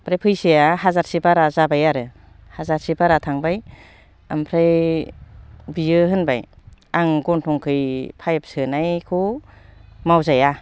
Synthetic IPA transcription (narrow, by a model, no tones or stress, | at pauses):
pʰɾajpʰɯjsɯjahazaɾsibaɾazabajaɾɯ | hazaɾsibaɾatʰaŋbaj | a̰mpʰɾaj | bijɯɦɯnba̰jaŋɡɔntʰɔŋkʰɯjpʰajp̚sɯnajkʰu | mawzaja